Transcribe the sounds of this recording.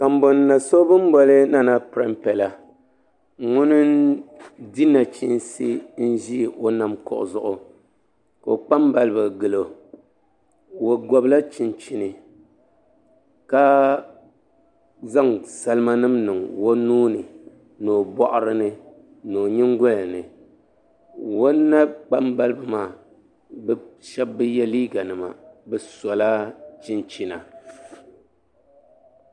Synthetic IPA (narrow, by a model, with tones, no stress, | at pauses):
ka˨m̩˦bo˨nː˦a˨so˦bɨ˦m˦bɔ˦lɨ˦na˦na˦pɨ˨ɾa˦mpɛ˨la˨ | ŋʊ˦nɨ˦ | di˦na˨t͡ʃi˦ʔn˦sḭ˦n̩˦ʒi˦˨o˦na˨mkʊ̰˨ʔʊ̰˨zʊ˨ʔʊ˨ | ka̰˨o˨k͡pa˦mba˨lɨ˦˨bɨ˨ɡɨ˨lo˨ | wo˨ɡɔ˨bla˦t͡ʃi˨n˨t͡ʃi˨nɨ˨ | ka˦ | za˦ŋsa˨lɨ˦ma˦nɨ˦mnɨ˨ŋwo˦nuː˦nɨ˨ | noː˨bɔ˦ʔʊ˦ɾɨ˦nɨ˦ | noː˨ɲɪ˦ŋ˦ɡɔ˦la˨nɨ˨ | wo˦nː˦a˦k͡pa˦mba˦lɨ˦bɨ˨maː˦˨ | bʃɛ˦bːɨ˦jɛ˦liː˦ɡa˨nɨ˨ma̰˨bɨ˨sɔ˨la˦t͡ʃi˦nt͡ʃi˨na˨